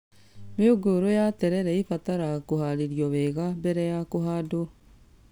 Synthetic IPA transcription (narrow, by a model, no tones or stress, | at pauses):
meoɡoɾojatɛɾɛɾɛifataɾakohaɾiɾjɔβɛɣambɛɾɛjakoɦado